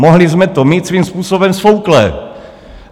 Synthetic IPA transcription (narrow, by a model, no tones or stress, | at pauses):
moɦlɪzmɛt̪omiːt̪sviːmspuːsobɛmsfowklɛ